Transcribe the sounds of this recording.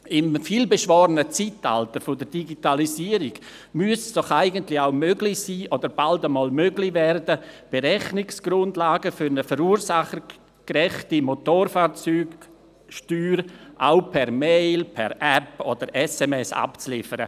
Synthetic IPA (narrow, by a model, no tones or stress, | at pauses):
ɪmfiːlbeʃvɔːɾənət͡sita̰ltəɾfʊdəɾdiɡitalisiːəɾɪɡ̥ | myəsd̥ɔχaɪɡəntlɪaʊmøɡlɪsiːʔodəɾb̥aldəmɔːlmøɡlɪvɛrdəb̥eɾɛχnɪksɡ̥ɾʊndlaːɡəfʏɾnəfəɾuːɾsaχ | krɛχtimotoːɾfaːɾt͡syːɡ | ʃtyːɾʔa̰ʊpʰɛɾmeɪlpʰɛ̰ɾɛpodəɾɛsɛmɛsa̰pt͡slɪfəɾə̰